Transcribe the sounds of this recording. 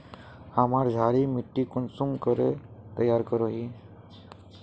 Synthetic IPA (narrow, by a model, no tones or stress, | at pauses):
amaɾd͡ʒʱaːɾimiʈːikunsumkəɾḛt̪əjːaɾkəɾoɦi